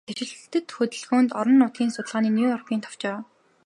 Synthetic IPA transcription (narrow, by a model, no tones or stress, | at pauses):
t̪ʰet͡ɕɪ̆ɮt̪ɘ̆t̪xɵt̪ɘ̆ɮxoːnt̪ɔɾɞ̆nːʊːt̪̚ɡʲiːnsʊt̪ə̆ɮʁaːniːnjuːjɔrkiːnt̪ʰɔ̥w̥t͡ɕaːw